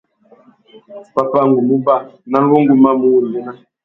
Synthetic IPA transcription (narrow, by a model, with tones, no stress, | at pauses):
pa˨pa˦˨ŋ˨ɡu˨mu˦ba˦˨na˦n˦wo˦ŋ˦ɡu˨ma˦mu˦wu˨lmu˦na˦